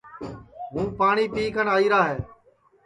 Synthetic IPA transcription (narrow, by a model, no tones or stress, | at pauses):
ɦũːpaːɳiːpiːkənaːiːɾaːɦeː